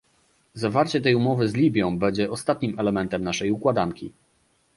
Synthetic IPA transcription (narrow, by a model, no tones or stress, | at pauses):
zavaɾt͡ɕɛt̪ɛjumɔvɘzlʲibʲjɔ̃w̃bɛɲd͡ʑɛʔɔst̪at̪̚ɲimɛlɛmɛnt̪ɛmnaʂɛjukwad̪aŋkʲḭ